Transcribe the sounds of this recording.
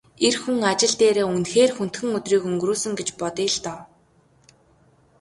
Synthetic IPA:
erxuŋat͡ɕɪ̆ɮt̪eːɾeːunxeːrxun̥t̪xɘ̆ŋɵt̪riːkɵŋɡruːsɵ̆ŋɡet͡ɕpɔt̪iːɮt̪ɔ

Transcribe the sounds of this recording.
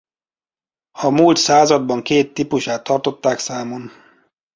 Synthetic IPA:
ɒmuːlt̪saːzɒd̪̚bɒŋkeːt̪ːipuʃaːt̪ːɒrt̪o̞t̪ːaːksaːmon

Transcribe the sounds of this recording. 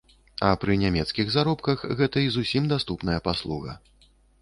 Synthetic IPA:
ɐpɾɨnʲamʲɛt̪skʲiɣzaɾɔpkɐxɣɛt̪ɐizusʲimd̪ast̪upnɐjɐpaslˠuɣɐ̰

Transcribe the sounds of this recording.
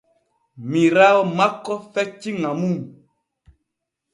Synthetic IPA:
mĩɾaɔmãkɔfɛt͡ʃiŋãmũ

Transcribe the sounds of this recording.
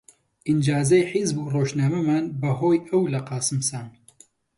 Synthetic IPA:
ʔind͡ʒaːzɐjħizbuːroːʒnaːmɐmaːnbɐɦoːjɐwlɐqɑːsɨmsaːn

